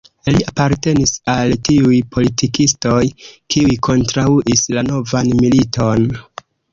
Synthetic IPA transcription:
iliapaɾte̞nisaltiujpʰo̞litikisto̞jkiujkʰo̞ntɾauʔislano̞vanmilitʰo̞n

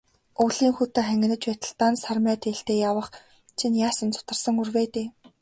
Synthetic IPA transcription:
uɮiːŋxut̪eːχæŋɡʲɪ̆nɘ̆t͡ɕpæt̪ə̆ɬt̪aːnsarmæːt̪ʰeːɬt̪eːjawə̆χ | t͡ɕʰinjaːsə̆nt͡sʰʊ̥t̪ə̆rsə̆ŋurweːt̪eː

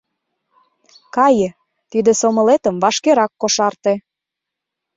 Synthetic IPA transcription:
kɑjə̆ | t̪id̪ĕsomə̆let̪ə̆mvɑʃkeɾɑkːoʃɑrt̪e

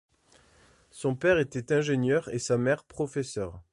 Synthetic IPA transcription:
sɔ̃pɛʁet̪ɛt̪ɛ̃ʒeɲjœʁesamɛʁpχɔfesœʁ

